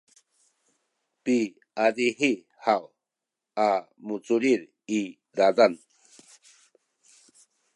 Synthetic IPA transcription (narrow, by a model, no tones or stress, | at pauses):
pi | adiɦi | haw | a | mut͡suɾiɾ | i | ɾadan